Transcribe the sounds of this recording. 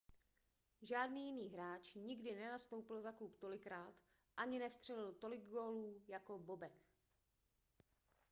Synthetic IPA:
ʒaːdniːjɪniːɦɾaːt͡ʃɲɪɡdɪnɛnast̪o̞wpɪlzaklupt̪o̞lɪkɾaːt̪ | ʔaɲɪnɛfst̪r̥ɛlɪlt̪o̞lɪɡɡo̞ːluːjako̞bo̞bɛk

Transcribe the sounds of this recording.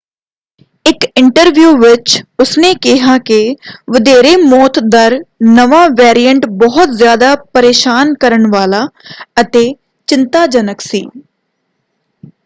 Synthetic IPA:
ɪkɪɳʈəɾʋjuːʋɪt͡ʃʊsneːkɪɦaːkɪʋəd̪eːɾeːmɔːt̪d̪əɾnəʋãːʋɛːɾijəɳʈbɔɦʊt̪zjaːd̪aːpəɾeːʃaːnkəɾəɳʋaːlaːət̪eː | t͡ʃɪnt̪aːd͡ʒənəksḭː

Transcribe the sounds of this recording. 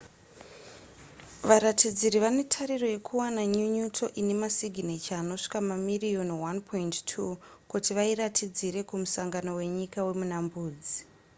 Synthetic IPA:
ʋaɾatid͡ziɾiʋane̞tʰaɾiro̞je̞kʰuwanaɲuɲutʰo̞ʔine̞masiɡʱinet͡ʃaːno̞ʂi̥kamamirio̞nwanpʰo̞inttʰu | kutiʋairatid͡ziɾe̞kumusaŋɡano̞we̞ɲikawe̞munambuːd͡zi

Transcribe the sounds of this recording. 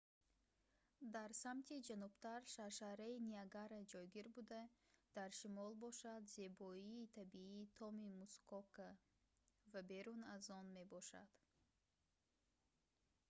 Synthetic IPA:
d̪aɾsamt̪ʰid͡ʒanubt̪aɾʃaʃahɾainiaɡaɾad͡ʒɔjɡiɾbud̪ad̪̥aɾʃimɔlbɔʃad̪ze̞bɔiːt̪ʰabiiːt̪ʰɔmimuskɔkʰa | vabe̞ɾunazɔnme̞bɔʃa̰d̪̥

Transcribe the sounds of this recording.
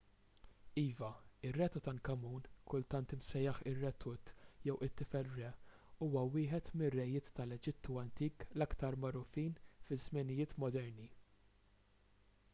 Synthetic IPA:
iːvɐɪrːɛːt̪ɔt̪ɐŋkɐmuːnkʊlt̪ɐnt̪ɪmsɛjːɐħɪrːɛt̪ʰʊt̪jɛwɪt̪ːɪfɛlɾɛ | uːwɐwɪːħɛt̪mɪrːɛjɪːt̪ːɐlɛd͡ʒɪt̪ːuɐnt̪iːklɐkt̪ɐɾmɐɾʊfiːnfɪzmɪnɪjɪːt̪mɔd̪ɛɾni

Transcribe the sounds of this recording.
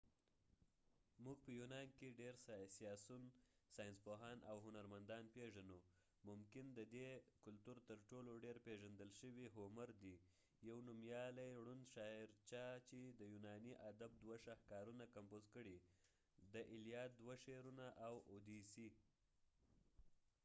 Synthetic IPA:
muɡ̚pəjunɑnkeɖeɾssijɑsunsɑjnspoɦɑnʔa̰wɦʊnaɾmand̪ɑnpeʒano | mʊmkɪnd̪əd̪ekʊlt̪uɾt̪əɾʈoloɖeɾpeʒand̪əlʃəwiɦomaɾd̪i | jawnumjɑlajɽunʃɑɪɾt͡ʃɑt͡ʃed̪əjunɑniʔad̪ab̚d̪waʃahkɑɾunakampozkəɽi | d̪əʔɪlijɑt̪̚d̪waʃeɾunaʔawod̪isi

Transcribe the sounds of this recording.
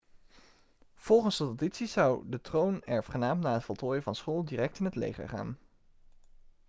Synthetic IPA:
v̥ɔlˠχənsdəoditsizʌwdətrownɛɹfχənaːmnaːɦətfɔlˠtʰoːjəvɑnsχoːlˠdiːrɛk̚tɪnətlḛjχə̰ɹχa̰ːn

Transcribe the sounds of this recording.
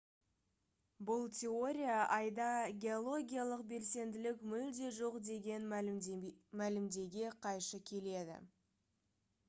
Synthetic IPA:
bʊlˠtʲʰe̞o̞ɾʲijaʔɑjd̪ɑɡʲe̞olˠo̞ɡʲijalˠəqbe̞lse̞nd̪ɪlɪkmʏld̪e̞ʒo̞qd̪e̞ɡʲe̞n | mælɪmd̪e̞ɡʲe̞qʰɑjʃəkʲʰe̞le̞d̪ɪ̰

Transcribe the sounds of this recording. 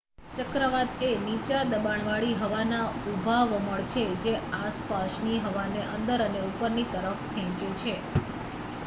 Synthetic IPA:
t͡ʃəkɾəʋat̪enit͡ʃad̪əbaɳʋaɭiɦəʋanaubʱaʋməɭt͡ʃʰed͡ʒeaspaʃniɦəʋaneʔənd̪əɾəneupəɾnit̪əɾəfkʰɛ̃t͡ʃet͡ʃʰe

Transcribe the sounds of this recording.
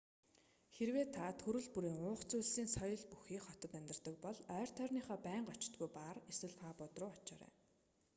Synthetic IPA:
xerweːt̪ʰːat̪ʰɵɾɵ̆ɮpuɾiːŋʊːχt͡sʊjɮsiːnsɔjɞ̆ɮpuxiːkχɔt̪ɞ̆t̪æmʲt̪ɪ̆rt̪ə̆k̚pɔɮœːr̥t̪ʰœrniːχɔːpæːɴɢɔt͡ɕt̪ɡujpareswɘ̆ɮpaːpʊt̪rʊːɔt͡ɕɔːɾæ̰ː

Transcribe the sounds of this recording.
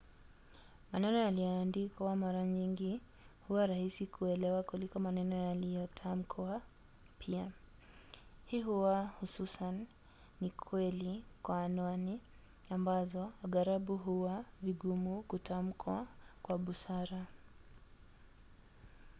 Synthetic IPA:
manɛnɔjalijɔaːndikawamaɾaɲiŋɡi | huwaɾahisikʰuɛlɛwakulikɔmanɛnɔjalijɔtʰam̩kʰwa | pʰia | hiɦuwahususanː | ikʰwɛlikwaːnwani | ambazɔaɠaɾaɓuɦuwaviɡumukutʰam̩kʰwakwaɓusaɾa

